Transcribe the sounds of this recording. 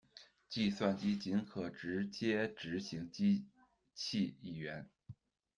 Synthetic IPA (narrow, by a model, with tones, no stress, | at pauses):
t͡ɕi˥˧swa˥˩nt͡ɕi˥t͡ɕi˧˥nkʰɤ˨˩ʈ͡ʂɻ̩˧˥t͡ɕjɛ˥ʈ͡ʂɻ̩˧˥ɕi˧˥ŋt͡ɕi˥ | t͡ɕʰi˥˧i˥˩ɥɛ˧˥n